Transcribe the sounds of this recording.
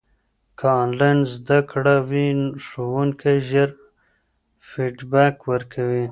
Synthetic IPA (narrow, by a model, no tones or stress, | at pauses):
kʰɑnlajnzd̪akɽawiʂowuŋkʰajʒəɾ | fiʈbakwəɾkʰawi